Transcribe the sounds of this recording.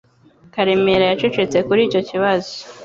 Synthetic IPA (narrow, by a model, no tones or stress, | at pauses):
kaɾemeɾajat͡ʃe̞t͡ʃe̞t͡se̞kuɾiːco̞ciβazo